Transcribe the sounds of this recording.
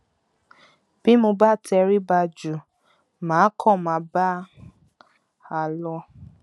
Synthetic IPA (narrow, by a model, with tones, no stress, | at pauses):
b̥i˦mõ˧ba˦˨tɛ˧ɾi˦ba˧d͡ʒu˨ | mãː˨˦kʰɔ̃˦˨mã˨˧˦ba˦ | a˨lɔ˧